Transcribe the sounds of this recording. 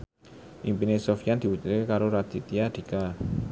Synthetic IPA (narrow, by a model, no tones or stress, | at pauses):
ʔimpinesofijand̪̥i̤wut͡ʃuɾkekaɾoɾad̪̥i̤t̪iad̪̥i̤ka